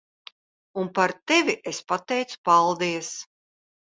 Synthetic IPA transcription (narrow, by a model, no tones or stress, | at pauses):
unpaɾt̪ɛvʲiʔespat̪ɛjt̪su̥palˠd̪iɛs